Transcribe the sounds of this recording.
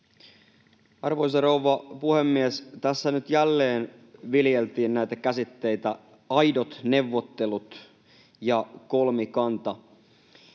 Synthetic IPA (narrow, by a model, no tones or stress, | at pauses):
ɑrʋojs̬ɑrowʋɑpuhemːiest̪æsːænyt̪jælːeːn | ʋiljelt̪iːnnæjt̪ækæsit̪ːe̞jt̪æ | ɑjdot̪ne̞ʋːot̪ːe̞lut̪ | jɑkolmikɑnt̪ɑ